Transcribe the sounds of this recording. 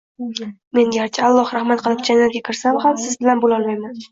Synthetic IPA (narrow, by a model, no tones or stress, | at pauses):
me̞njʲaɾt͡ʃʰɪalˠːɒhɾahmat̪qʰɨlˠɪpd͡ʒanjalɡʲakʲʰɪɾsamhamsɪzbɪlanbolɒlˠmajman